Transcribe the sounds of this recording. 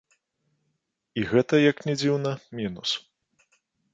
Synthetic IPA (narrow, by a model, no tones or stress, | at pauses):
iɣɛt̪ɐjɐknʲɛd͡zʲiwnɐmʲinus